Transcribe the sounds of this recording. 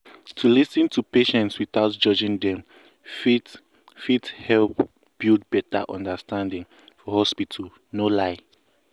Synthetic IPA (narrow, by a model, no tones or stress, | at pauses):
tʰulisɨ̃ntʰupeʃɛ̃ntswiθaʊtd͡ʒɔd͡ʒĩŋdɛ̃m | fit | fithɛlp | b̥ild̚bɛta̰ʔɔ̰̃ndəstãndĩŋ | fɔhɔspitʰəl | nolaɪ